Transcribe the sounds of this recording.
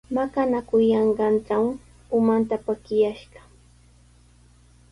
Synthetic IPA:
makanakʊjɑɴɢɑnt͡saw | ʊmant̪apakɪjaʃɢɑ̥

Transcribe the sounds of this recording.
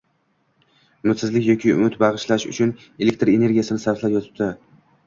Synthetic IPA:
ʊmɪt̪sɪzlɪkʲjɒkʲʰɪʊ̰mɪt̪bɑʁɨʃlaʃʊ̰t͡ʃʰʊn | e̞lekʲt̪ɾe̞ne̞ɾɡʲijasɪnɪsaɾflˠapjɒt̪ʰɪ̥p̚d̪ɪ

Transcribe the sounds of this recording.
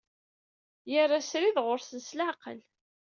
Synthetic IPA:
jərˤːasɾiðʁʊɾsənslaqə̰l

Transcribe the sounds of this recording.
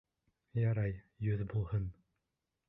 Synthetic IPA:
jɑɾɑj | jɵðbulˠhɤn

